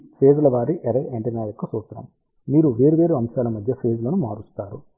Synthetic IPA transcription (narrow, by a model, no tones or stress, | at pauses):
pʰe̞ːd͡ʒlɐʋaːɾiʔɐɾeːʔeɳʈɐnaːjokːɐsoːt̪ɾɐ̰m | miːɾuʋe̞ːɾuʋe̞ːɾuɐmʃaːlɐmɐd̪ʱjɐpʰe̞ːd͡ʒlɐnumaːɾust̪aːɾu